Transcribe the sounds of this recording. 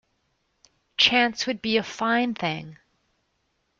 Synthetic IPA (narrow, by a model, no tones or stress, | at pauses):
t͡ʃʰæ̃nswɨd̚biɨfãɪ̃nθɪ̃ŋ